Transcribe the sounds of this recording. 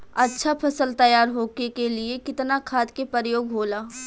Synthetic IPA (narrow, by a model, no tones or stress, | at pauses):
ɐtːʃʰapʰɐsəlt̪ɐjaːɾɦoːkekelɪekɪt̪nakʰaːd̪kepəɾjoːɡɦoːlaː